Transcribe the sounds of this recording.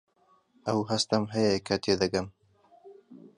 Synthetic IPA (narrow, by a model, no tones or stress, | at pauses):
ɐwɦɐst̪ɐmɦɐjɐkʰɐt̪ʰed̪ɐɡɐm